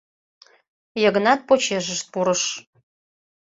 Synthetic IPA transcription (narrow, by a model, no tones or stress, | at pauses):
jə̆ɣə̆nɑt̪̚pot͡ɕeʒəʃt̪̚puɾəʃ